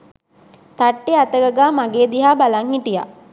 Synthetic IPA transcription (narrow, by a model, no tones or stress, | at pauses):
t̪aʈːeat̪əɡəɡaːmaɡeːd̪iɦaːbalaŋhiʈija̰